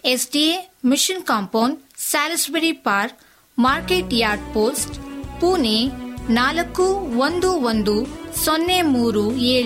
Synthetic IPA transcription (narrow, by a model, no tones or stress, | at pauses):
esɖiemiʃinkaːmpɐwɳɖsaːlɐsbeɽipaːɾk | maːɾkeːʈjaːɾɖpoːsʈpuːnenaːlɐkːuʋond̪uond̪usɔnːemuːɾueːɭi